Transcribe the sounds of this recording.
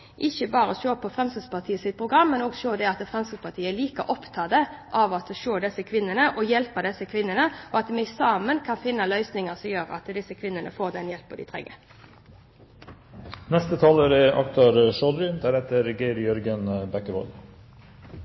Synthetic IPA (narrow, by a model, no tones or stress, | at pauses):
ʔɪçəbɑːɾəɔʃøːpʰɔfʁɛmsəspɑʁt̪ʰiːəsɪt̪̚pʰʁʊɡʁɑmːɛnoːɡʃoːd̪ɛɑt̪fʁɛmsəspʰɑt̪ʰiːəɛɭiːkəʔɔpt̪ʰɑːd̪əʔɑʋɑt̪ʃoːd̪ɛsːəkʰʋɪnːənəʔɔjɛlpəd̪ɛsːəkʰʋɪnːənəɔɑt̪mɛsɑːmənkʰɑnfɪnːɑlœʏsnɪŋəsɔmjøːɾɑ̰t̪d̪ɪsːəkʰʋɪnːənə̰foːʁd̪ɛnjɛlpːəd̪ɪ̰t̪ʰʁɛ̰ɡːə̰ | nɛst̪ət̪ʰɑːləɾɛʔɑ̰kt̪ʰɑɾʃɔd̪ɾʏnd̪æɾɛt̪ːəɾɡeɪɾjœɾɡənbækəbɔ̰ːl